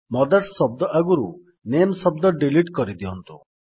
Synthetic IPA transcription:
mɔd̪aɾssɔb̚d̪ɔʔaɡuɾu | nemsɔb̚d̪ɔɖiliʈkɔɾid̪iɔnt̪u

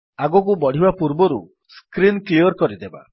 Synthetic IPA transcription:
aɡɔk̬ubɔɽ̤ibapuɾbɔɾṵ | skɾinkliɔɾkɔɾid̪eba̰

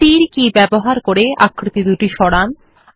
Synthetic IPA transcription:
iɾkibɛboɦaɾkoɾeʔa̰kʰːɾit̪id̪uʈiʃɔɽan

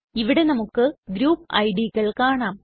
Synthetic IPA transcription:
iʋiɽe̞nɐmukːɨɡɾuːpːɐ̰jɖiɣɐɭkaːɳaːm

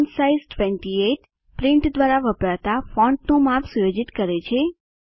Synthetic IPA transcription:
nsaizʈʋɛ̃ɳʈieʈ | pɾɪɳʈd̪ʋaɾaʋəpɾat̪afɔ̃ɳʈnumapʰsujod͡ʒit̪kəɾet͡ʃʰe

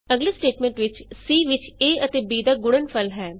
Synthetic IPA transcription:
əɡleːsʈeːʈmɛ̃ːɳʈʋɪt͡ʃsiːʋɪt͡ʃeːət̪eːbiːd̪aːɡʊɽənpʰəlɦɛː

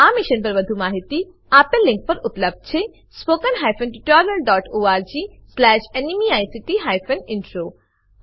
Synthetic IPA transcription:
aːmiʃənpɐɾʋɐd̪ʱumaːɦit̪i | aːpɐ̃lɪ̃ŋk̚pɐɾʊpləb̚d̪̚t͡ʃʰe | spoːkənɦaːjfʰənʈiʈɔːɾjɐlɖɔːʈoːaːɾd͡ʑiːslɛːʃenimiaːjsiʈiɦajfʰənɪɳʈɾoː

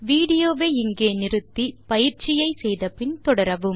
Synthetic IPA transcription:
ʋiːɽɪjoːʋeːɪŋɡeːnɪɾɯt̪ːipɐjɪɾt͡ʃɪjɐɪsɛjðɐpɪnt̪ɔɽɐɾɐʋɯm

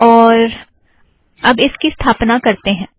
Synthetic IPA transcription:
ɔːɾ | ɐbɪskist̪ʰaːpnakɐɾt̪eɦɛ̃ː

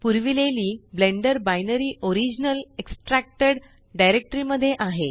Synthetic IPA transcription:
puɾʋileliːblẽɳɖəɾbajnəɾiːʔoɾid͡ʑnəleksʈɾæk̚ʈəɽ | ɖajɾek̚ʈəɾiːməd̪ʱːjeʔaɦe

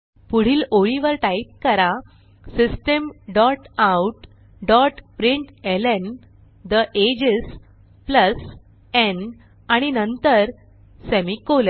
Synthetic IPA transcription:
puɽ̤iːloɭiʋəɾʈaip̚kəɾa | sisʈəmɖɔʈawʈ | ɖɔʈpɾiɳʈelen | d̪əʔed͡ʑes | pləs | en | aɽ̃inənt̪əɾ | semikol

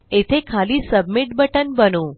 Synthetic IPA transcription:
et̪ʰekʰalisəbmiʈbəʈənbənũ

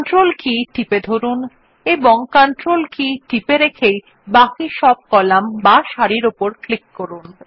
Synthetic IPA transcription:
nʈɾolkiʈiped̪ʱoɾun | eboŋkɔnʈɾolkiʈipeɾekʰej | bakiʃɔb̚kɔlambaʃaɾiɾopoɾklikːoɾun

